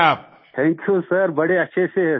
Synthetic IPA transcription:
aːp̚ | ʈʰɛ̃ːŋkjusɐɾbɐɽeɐtːʃʰeseɦ

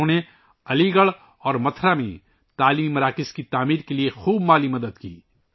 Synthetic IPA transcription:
õne | ɐliɡəɭ | ɔːɾmɐt̪ʰɾamḛ̃ | t̪aːliːmmɐɾaːkɪskit̪aːmiːɾkeliexuːbmaːlimɐd̪əd̪kḭː

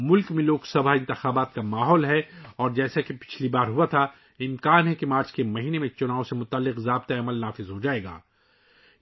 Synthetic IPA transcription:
mʊlkmẽloːɡsɐbʱaɦɪ̃nt̪ɪxaːbaːt̪kamaːɦɔːlɦɛɔːɾd͡ʒɛːsakepɪ̥t͡ʃʰlibaːɾɦuat̪ʰa | ɪmkaːnɦɛkemaːɾt͡ʃkemɐɦiːnemẽt͡ʃʊnaːõsemʊt̪aəlːɪqzaːbt̪aɐməlnaːfɪzɦod͡ʒaːeːɡa̰ː

